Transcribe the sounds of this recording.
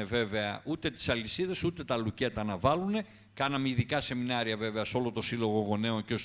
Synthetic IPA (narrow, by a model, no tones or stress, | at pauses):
eve̞ve̞ɐut̪e̞t̪i̥sɐlisiðe̞sut̪e̞t̪ɐlucet̪ɐnɐvɐlune̞ | kɐnɐmeiðikɐse̞minɐɾiɐve̞ve̞ɐso̞lo̞t̪o̞silo̞ɣo̞ɣo̞ne̞o̞cos